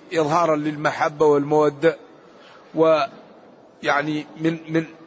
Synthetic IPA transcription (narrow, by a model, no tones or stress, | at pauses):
ʔɨðˤɦɑːɾˤɑnlɪlmaħabːawɪlmʊwad̪ːa | wɪ | jaʕnimɪnmɪn